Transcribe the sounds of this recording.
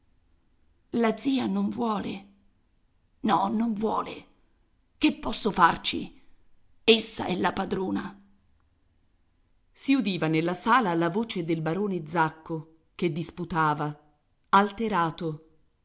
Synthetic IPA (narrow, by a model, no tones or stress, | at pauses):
lad̪zːiːanoɱvwɔːle | nɔnoɱvwɔːle | kepːɔsːofart͡ʃḭ | esːa̰ɛlːapad̪ɾoːna | siud̪iːvanelːasaːlalavoːt͡ʃed̪elbaɾoːned̪zakːo | k̟ed̪ːisput̪aːva | alt̪eɾaːt̪o